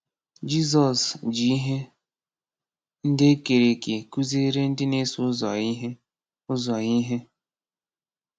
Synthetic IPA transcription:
d͡ʒi˦zɔ˨sd͡ʒi˨i˦ɦe˦ | n̩˦dɪ˦e˦ke˨ɾe˨ke˨ku˦ze˦ɾe˦n̩˦dɪ˦ne˦sʊ˦zɔ̰˨i˦ɦe˦ | ʊ˦zɔ˨ɣi˦ɦe˦

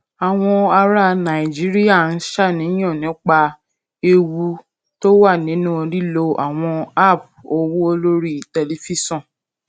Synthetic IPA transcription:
a˨w̃ɔ̃˧a˧ɾa˧˦nã˨i˨d͡ʒi˨˦ɾi˦ja˦˨n̩˦ʃa˦˨nĩ˨˦ɔ̃˦˨nĩ˨˦k͡pa˧ | e˧wu˧ | to˦wa˦˨nĩ˨˦nũ˦˧ɾi˦lo˧ʔa˨w̃ɔ̃˧a˦˨p̚ | o˧wu˦o˧lo˦ɾi˦˨te˧li˧fi˦sɔ̃˦˨

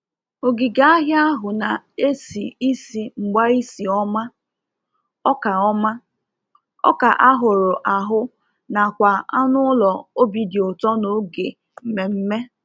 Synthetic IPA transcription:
o˨ɡi˨ɡa˦a˦ɦja˦a˦ɦʊ˨na˨e˦si˨i˦si˨ŋ͡m̩˨ɡ͡ba˦i˦si˨ɔ˦ma˦ | ɔ˦ka˨ɔ˦ma˦ | ɔ̰˦ka˨ʔa˦ɦʊ˨ɾʊ˨ʔa˨ɦʊ˦ | na˨kʷa˨a˦nʊ˦ʊ˦lɔ˨o˦bi˨di˨ʊ˨tɔ˦no˨˦ɡe˨ | m̩˨me˨m̩˦me˦

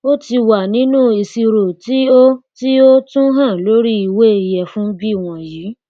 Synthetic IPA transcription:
o˦ti˧wa˨nĩ˨˦nũ˦i˧si˧ɾo˨ti˦o˦ti˦o˦tũ˦ɦã˦˨lo˨˦ɾi˦i˨we˦i˧jɛ˨fũ˦bi˦˨w̃ɔ̃˨jiː˨˦

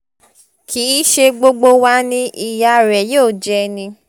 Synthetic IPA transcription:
kʰi˨˦ʃe˧ɡ͡bo˧ɡ͡bo˧wa˦nĩ˦ʔi˧ja˧˨ɾɛ˨joː˦˨d͡ʒɛ˧˦nĩ˧

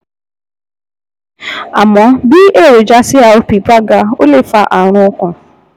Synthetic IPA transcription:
a̰˨mɔ˨˦bi˦ʔe˦˨ɾo˨d͡ʒa˦sɪ˦a˨o˦pi˨pɾa˦ɡa˦o̰˦le˦fa˦ʔa˨ɾ̃ʊ̃˦ʊ˦kʊ̃˨

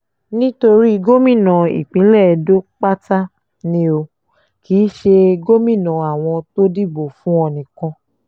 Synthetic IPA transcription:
nĩ˦to˧ɾi˦˧ɡo˦mĩ˦˨nã˨ḭ˨k͡pĩ˨˦lɛ˦˨do˦k͡pa˦ta˦ | nĩ˦o˧ | kiː˨˦ʃe˧ɡo˦mĩ˦˨nã˨a˨w̃ɔ̃˧to˦di˦˨bo˨fũ˦ɔ˧nĩ˨kã˧

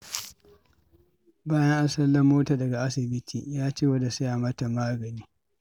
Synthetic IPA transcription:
baː˦jɐ˦ŋʔa˦sɐ˦lːɐ˦mːoː˦taː˨dɐ˨ɡa˨ʔa˦sɪ˨bɪ˦tʰḭː˨jaː˦t͡ʃeː˦wɐ˦da˨su˦ja˨mɐ˦ta˨maː˦ɡɐ˨niː˦

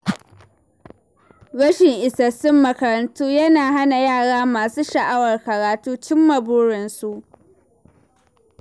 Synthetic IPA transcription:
ɽɐ˦ʃɪ˨ŋʔɪ˨sɐ˨sɪ˦mːɐ˨kɐ˨ɾɐ˨ntuː˦jɐ˦naː˨ɦa˦na˨jaː˦˨ɽaː˦maː˨suː˦ʃɐ˨ʔa˦wɐ˨rkɐ˨ɾaː˨tuː˦t͡ʃɪ˦mːɐ˨bʊ˦ɽɪ˨nsu˨ʔ

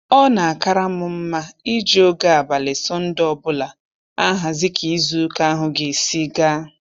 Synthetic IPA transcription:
ɔ˦na˨a˨ka˦ɾa˦mʊ˨m̩˦ma˦i˦d͡ʒo˦ɡa˦a˨ba˨lɪ˨sɔ˦n̩˦dɔ˦bʊ˦la˨ | a˦ɦa˨zɪ˦kʰi˨i˦zu˦ka˦a˦ɦʊ˨ɡe˨si˦ɡa˦

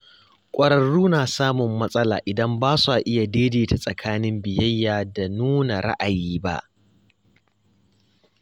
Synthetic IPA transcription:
kʷʼɐ˨ɾɐ˨ɽuː˦naː˨saː˦mʊ˨mːɐ˦sʼɐ˦la̰ː˨ʔɪ˨dɐ˦mbaː˦su˦a˨ʔɪ˦ja˨deː˦deː˨ta˨sʼɐ˨kʰaː˦nɪ˦mbɪ˨jɐ˦jːaː˨da˨nuː˦na˨ɽa̰˦ʔa˨jiː˦ba̰˦ʔ

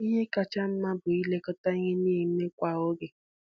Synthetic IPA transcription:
i˦ɲe˦ka˨t͡ʃa˦m̩˦ma˦bʊ˨i˦le˦kɔ˦ta˦i˦ɲe˦niː˦˨˦me˦kʷa˦˨o˦ɡe˨

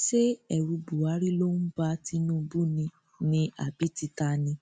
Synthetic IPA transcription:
ʃe˦ɛ˨ɾu˧bu˨a˨˦ɾi˦lo˦ñ̩˦ba˧˦ti˧˦nũ˦˧bu˦nĩ˧ | nĩ˧ʔa̰˨bi˨˦ti˧ta˧nĩ˧

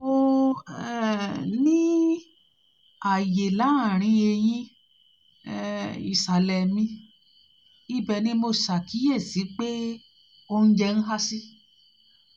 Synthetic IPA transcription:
o˦˧ɛ˦nĩ˦ | a˨je˨la˨˦ã˦˨ɾ̃ĩ˧e˧j̃ĩ˦˨ | ḭ˨sa˨lɛ˨mĩ˧˦ | i˦bɛ˧nĩ˦mo˧sa˨ki˨˦je˦˨si˨˦k͡pe˦ | o˧n̩˦d͡ʒɛ˧n̩˦ɦa˦si˦

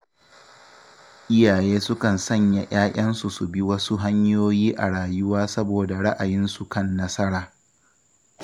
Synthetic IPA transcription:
ʔɪ˦jaː˨jeː˦sʊ˦kɐ˨nsɐ˦˨ɲja˨ʔaː˦ʔʲʼɐ˦nsu˨su˨bi˦wɐ˦su˦ɦa˦ɲjoː˦jiː˦ʔa̰˨ɽaː˨jʊ˦waː˦sɐ˦boː˨da˨ɽɐ˦ʔa˨jɪ˦nsu˨kɐ˦˨nːɐ˦sɐ˦ɽaː˨

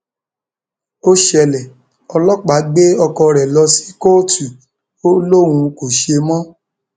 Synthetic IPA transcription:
o˦ʃɛ˧lɛ˨ | ɔ˧lɔ˦k͡pa˨˦ɡ͡be˦ɔ˧kɔ˧ɾɛ˨lɔ˧si̥˦ko˦tu˨ | o˦lo˦˨wũ˧ko˨ʃe˧mɔ̃˦

